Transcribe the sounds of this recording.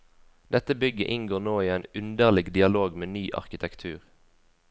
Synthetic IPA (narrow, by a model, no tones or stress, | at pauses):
d̪̥ɛt̪əbʏɡə̰ʔɪŋɡoːnoːiːæɪnʉnd̪əʁlɪɡd̪ɪɑloːɡmeːnyːʔɑ̰ʁkɪt̪ʰɛkt̪ʰʉːʁ